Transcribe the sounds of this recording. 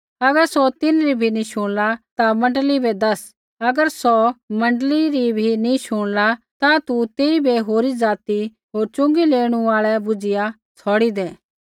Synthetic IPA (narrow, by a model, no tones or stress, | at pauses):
ɐɡəɾsot̪ɪnɾibʱinĩʃʊɽ̃lat̪amɐ̃ɳɖlibʱed̪ɐs | ɐɡəɾsɔmɐ̃ɳɖəliɾibʱinĩʃʊɽ̃lat̪at̪ut̪eːibʱeɦoːɾid͡zaːt̪i | ɦoːɾt͡ʃʊ̃ŋɡileːɽ̃ũaːɭɛbʊd͡ʒɪja | t͡sʰɔːɽid̪ɛː